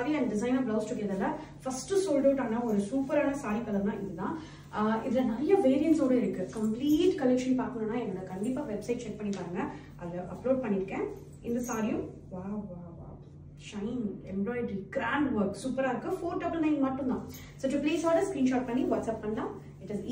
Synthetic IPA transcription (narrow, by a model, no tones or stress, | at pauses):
aːɾilɐnd̪ɐɖɪs̬ɐɪnaːblɐʊsʈʊkːeðɐlːɐ | fɐsʈɯsoːlɖɐːʈːaːnãːɔɾɯsuːpɐɾɛnɐsaːɾɪkːɐlɐɾnãːʔɪðɯt̪ãː | ɪ̰ðɪlɐnɐɾɐjɐʋeːɾɪjɐnʈsoːɽɐɪɾɯkːɯkɐmpliːʈːkɐlɛkʂɐnpaːɾkɯɳɐnːaːɛŋːɐɭɐkɐɳɖɪpːaːʋɛbsɐɪʈ̚t͡ʃɛk̚pɐɳːipaːɾɯːŋɡɐ | ʔɐðɐʔɐploːɖ̚pɐɳːɪɾɯkːẽː | ɪnd̪ɐsaːɾɪjʊ̃ | ʋaːʋaːʋa̰ː | ʃɐɪnɛmɔːɪɖiɡɾaːɳɖʋɐɾksuːpːɐɾaːɪɾɯkːɯfoːɾɖɐbɐlnɐɪ̃nmaːʈːɯ̃nd̪ãː | soːʈupleːsaːɽɐskɾiːnʃaːʈ̚pɐɳːiʋɐːʈsɛːpːɐɳnɖãː | ɪʈɪz